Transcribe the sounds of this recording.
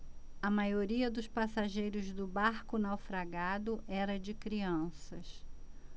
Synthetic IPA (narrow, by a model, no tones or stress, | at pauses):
ɐmajoɾiɐd̪ʊspasaʒejɾʊzd̪ʊbaɾkʊnawfɾaɡad̪ʊʔɛɾɐd͡ʒɪkɾiɐ̃sɐs